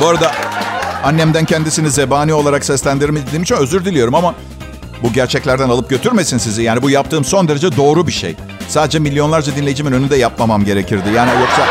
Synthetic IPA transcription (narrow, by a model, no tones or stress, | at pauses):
boaɾad̪a | anːɛmd̪æncʰɛnd̪isinize̞baːniːo̞lˠaɾaksɛslʲænd̪iɾmid̪iːmit͡ʃʰinø̞zyɾd̪ilʲijo̞ɾumama | buɟæɾt͡ʃʰɛclʲæɾd̪ænalˠɯp̚ɟø̞t̪ʰyɾme̞sinsizijaːnibujap̚t̪ʰɯːmso̞nd̪e̞ɾe̞d͡ʒɛd̪o̞ːɾubiʃḛj | saːd̪ed͡ʒɛmilʲːjolˠaɾd͡ʒad̪inlʲejid͡ʒiminønynd̪ɛjap̚mamamɟe̞ɾe̞cʰiɾd̪ɪjaːniojoksa